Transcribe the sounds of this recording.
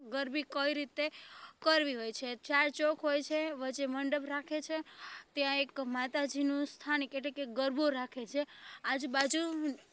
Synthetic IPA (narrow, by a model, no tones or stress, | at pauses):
ɡəɾbikəiɾit̪ekəɾʋiɦojt͡ʃʰet͡ʃaɾt͡ʃokʰɦojt͡ʃʰeʋət͡ʃeməɳɖəbɾakʰet͡ʃʰet̪jãekmat̪ad͡ʒinũst̪ʰanikeʈlekeɡəɾboɾakʰet͡ʃʰead͡ʒbad͡ʒu